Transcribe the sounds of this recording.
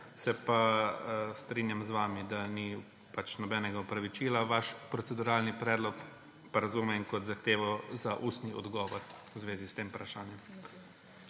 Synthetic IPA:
sɛpa | st̪ɾinjamzʋaːmid̪ani | pat͡ʃnɔbɛːnɛɡaɔpɾaʋit͡ʃiːlaʋaʃpɾɔt̪sɛd̪uɾaːlnipɾɛːd̪lɔk | paɾazumɛŋkɔt̪zaxt̪eːʋɔzaʔuːst̪niɔ̰d̪ɡɔʋɔɾwzʋeːzist̪eːmpɾaʃaːnjɛm

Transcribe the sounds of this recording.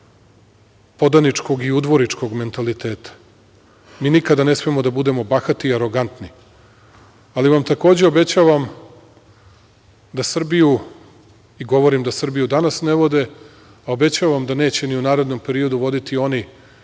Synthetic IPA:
po̞d̪anit͡ʂko̞ɡiud̪ʋo̞ɾit͡ʂko̞ɡme̞nt̪alit̪e̞ːt̪ḁ | miːnikad̪ane̞smiemo̞d̪abud̪e̞mo̞baxat̪iːaɾo̞ɡant̪ni | aliʋamt̪ako̞ːd͡ʑeo̞be̞t͡ɕaːʋam | d̪asr̩biju | iɡo̞ʋo̞ɾimd̪asr̩bijud̪anasneʋo̞d̪e̞ | ao̞be̞t͡ɕaːʋamd̪ane̞ːt͡ɕe̞niunaːɾe̞d̪no̞mpe̞ɾio̞d̪uʋo̞d̪it̪io̞ni

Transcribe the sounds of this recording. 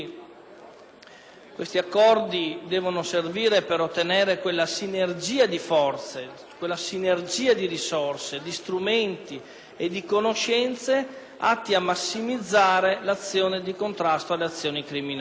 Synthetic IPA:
kwest̪iakːɔrd̪id̪ɛːvonoserviːɾepeɾot̪ːeneːɾekwelːasinerd͡ʒiːad̪ifɔrt̪se | kwelːasinerd͡ʒiːad̪iɾisorsed̪ist̪ɾument̪i | ed̪ikonoʃɛnt̪se | a̰t̪ːiamːasːimid̪zːaːɾelat̪sːjoːned̪ikont̪ɾast̪oalːeat̪sːjoːnikɾimin

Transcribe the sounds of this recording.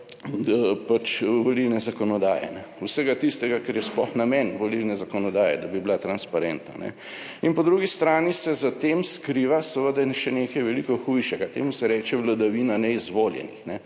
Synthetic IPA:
pat͡ʃʋolilnɛzakɔnɔd̪aːjɛ̰nɛ | uwsəɡat̪ist̪ɛɡakɛɾjɛsplɔ̰xnamɛnʋolilnɛzakɔnɔd̪aːjɛ̰d̪abiblat̪ɾanspaɾɛnt̪na̰nɛ̰ | inpɔd̪ɾuɡist̪ɾaːnisɛzat̪eːmskɾiʋasəʋəd̪aʃɛneːkɐjʋɛlikɔxujʃɛɡat̪ḛːmusɛɾɛːt͡ʃɛʋlad̪aʋiːnanɛizʋoːljɛ̰nḭxnɛ

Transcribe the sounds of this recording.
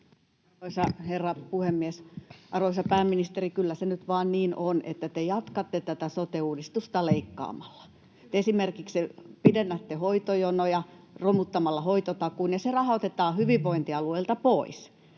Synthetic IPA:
ɑoisɑherːɑpuhemːiesʔɑrʋoisɑpæːmːinist̪erikylːæsenyt̪ʋɑːnniːnʔonʔḛt̪ːæt̪ejɑt̪kɑt̪ːet̪æt̪æsot̪euːdist̪ust̪ɑleikːɑ̰ːmɑlːɑ̥ | t̪esimerkiksepidenːæt̪ːehoit̪ojonojɑ | romut̪ːɑmɑlːɑhoit̪ot̪ɑkuːnjɑserɑhɑot̪et̪ɑːhyʋiʋʋoint̪iɑlueilt̪ɑpois

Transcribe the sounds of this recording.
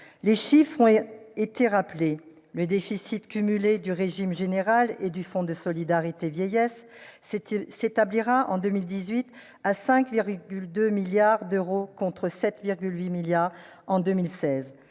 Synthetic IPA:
leʃifχɔ̃et̪eʁaple | ləd̪efisit̪kʲymyled̪yʁeʒimʒeneʁaled̪yfɔ̃d̪əsɔlid̪aʁit̪evjɛjɛs | set̪abliʁaʔɑ̃d̪ømild̪izɥit̪ | asɛ̃kviʁɡʲyld̪ømiljaʁd̪øʁokɔ̃t̪χəsɛt̪viʁɡʲylɥimiljaʁ | ɑ̃d̪ømilsɛz

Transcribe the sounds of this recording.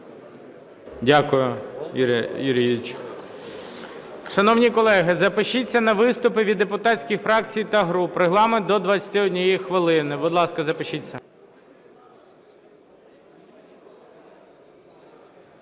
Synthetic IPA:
dʲakʊjʊ | juɾʲijit͡ʃ | ʃɐnɔwnʲikɔlˠɛɦɪzɐpɪʃit͡sʲːɐnɐʋɪst̪ʊpɪʋʲid̪ːepʊt̪ɑsʲkʲixfɾɑk̚t͡sʲijt̪ɐɦɾupreɦlˠɑment̪ɔd̪ʋɐt͡sʲɐ̥t̪ɪɔdʲnʲɔjixʋɪlˠɪnɪbʊd̪lˠɑskɐzɐpɪʃit͡sʲːɐ

